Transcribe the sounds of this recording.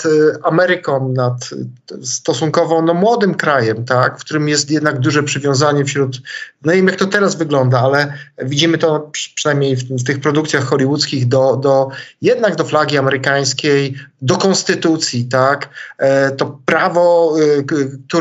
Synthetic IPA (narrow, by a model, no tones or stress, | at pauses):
amɛɾɘkɔ̃nat̪ | st̪ɔsuŋkɔvɔ̃nɔmwɔd̪ɘmkɾajɛmt̪akfkt̪uɾɘmjɛst̪jɛd̪naɡd̪uʐɛpʂɘvʲjɔ̃w̃zaɲɛfɕɾut̪nɔvjɛmjak̚t̪ɔt̪ɛɾazvɘɡlɔnd̪aalɛvʲid͡ʑimɘt̪ɔpʂɛ̥najmɲejfft̪ɘxpɾɔd̪uk̚t̪sʲjaxːɔlʲiwut̪skʲiɣd̪ɔd̪ɔjɛd̪naɡd̪ɔflaɡʲiamɛɾɘkaj̃skʲejd̪ɔkɔnst̪ɘt̪ut̪sʲjit̪akt̪ɔpɾavɔ | k̚t̪u